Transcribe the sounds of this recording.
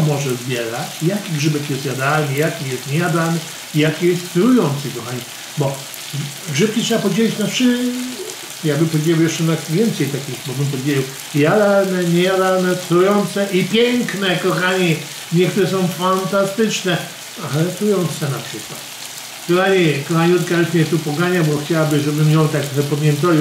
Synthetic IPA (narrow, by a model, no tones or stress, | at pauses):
mɔʐɛzbʲjɛɾat͡ɕjakʲiɡʐɘbɛkjɛst̪jad̪alnijakʲijɛst̪ɲejad̪alnɨ | ijakʲijɛst̪t̪ɾujɔnt̪sɛkɔxaɲi | bɔ | ʐɨp̚kʲitʂɛbapɔvʲed͡ʑelʲit͡ɕnafʂɨ | jaɡ̚bɨmpɔvʲed͡ʑejɛwjɛʂt͡ʂɛnakvʲjɛnt̪sɛjt̪akʲixbɔbɨmp̬ɔvʲed͡ʑeiɛw | jad̪aɾnɛɲɛad̪aɾnɛt̪ɾujɔnt̪sɛʔipʲjɛŋknɛkɔxaɲi | ɲɛk̚t̪uɾɛs̬ɔ̃w̃fant̪ast̪ɪt͡ʂnɛ | alɛt̪ɾujɔnt̪sɛnapʂɨkwat̪ | kɔxaɲikɔxaɲiɔt̪kaɾuʃmʲɛt̪upɔɡaɲabɔxt͡ɕawabɘʐɛbɘmjɔ̃wt̪akt̪xɛpamʲjɛnt̪alʲi